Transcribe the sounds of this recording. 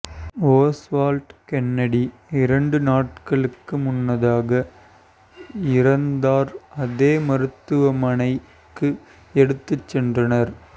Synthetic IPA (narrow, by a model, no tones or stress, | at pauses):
oːsʋaːlʈkɛnːɐɽiɪɾɐɳɖɯnaːʈ̚kɐɭɯkːɯmʊnːɐðaːɣɐ | ɪɾɐnd̪aːɾɐðeːmɐɾɯt̪ːɯʋɐmɐnɐɪ | kːɯ | ɛɽɯt̪ːɯt͡ʃːɛndrɐnɐɾ